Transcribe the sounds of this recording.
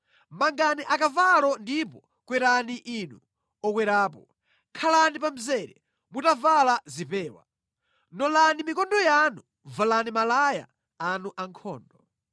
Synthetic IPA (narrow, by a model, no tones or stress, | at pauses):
maŋɡaniʔakavalɔndipɔ | kwɛɾaniʔinu | ɔkwɛɾaːpɔ | kʰalanipam̩zɛɾɛ | mutavalazipɛːwa̰ | nɔlanimikɔndɔjanu | valanimalaja̰ː | nuʔaŋkʰɔ̰ːndɔ